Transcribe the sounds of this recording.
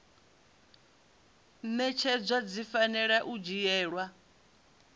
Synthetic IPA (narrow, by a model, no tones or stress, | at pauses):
mɛt͡ʃʰɛd͡zʷwad͡zifanɛɺaʔud͡ʒijɛːɺwa